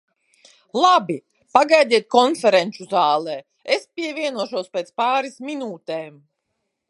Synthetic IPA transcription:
lˠabi | paɡajd̪ʲiɛt̪̚kɔnfɛɾɛnt͡ʃuzaːlˠɛː | espʲiɛvʲiɛnuɔʃuɔspʲeːt̪spaːɾismʲinuːt̪ɛːm

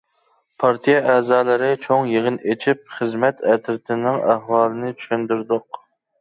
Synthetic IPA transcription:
pʰɑɾt̪ʰijɛʔɛzɑːlˠɨɾɪt͡ʃʰoŋjeʁɪnet͡ʃʰip̚χəzmɛt̪ɛt̪ʰɾɪt̪ʰɪnɪŋæɦwɑːlˠɨnɪt͡ʃʰy̥ʃynd̪yɾd̪ʊq̚

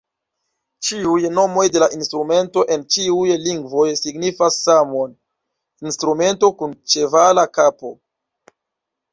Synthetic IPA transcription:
t͡ʃiujno̞mo̞jde̞laʔinstɾume̞nto̞ʔe̞nt͡ʃiujliŋɡvo̞jsiɡnifasːamo̞n | instɾume̞nto̞kunt͡ʃe̞valakapo̞

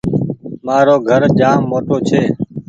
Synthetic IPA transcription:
maːɾoːɡʱəɾd͡ʒaːmːoːʈoːt͡ʃʰeː

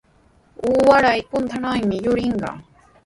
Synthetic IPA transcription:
uːwaɾajpʊnt̪ʰanajmɪjʊɾɪɴɢɑ̰

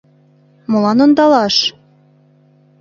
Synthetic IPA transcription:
mŏlɑnond̪ɑlɑʃ

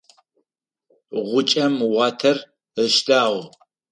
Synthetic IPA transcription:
ʁʷʊt͡ʃʼɐmwɑːtʰɐr | əʃdaːʁʷ

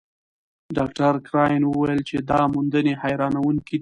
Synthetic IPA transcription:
ɖɑk̚ʈaɾkɾɑjnwəwajəlt͡ʃed̪ɑmund̪ənehajɾɑnawuŋki

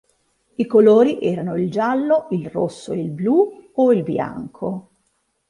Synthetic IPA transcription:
ikoloːɾiʔɛːɾanoild͡ʒalːoilrosːoeilbluoilbja̰ŋkʰo̰

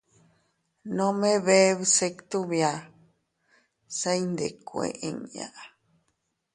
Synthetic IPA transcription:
nõmeβeβsekt̪uβja | sajnd̪ekʷḛʔḛ̃ŋja̰ʔa

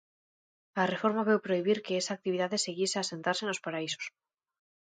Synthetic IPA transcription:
lare̞fo̞ɾmaβe̞wpɾo̞iβiɾke̞esaːk̚t̪iβiðaðeseɣjesease̞nt̪aɾsenlo̞spaɾaiso̞̥s

